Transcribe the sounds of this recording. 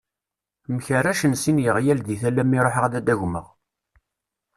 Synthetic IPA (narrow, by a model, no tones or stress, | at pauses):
mçəɾæʃənsinjəʁjælðiθælːæmːiɾˤoħəʁðæd̪æʝmə̰ʁ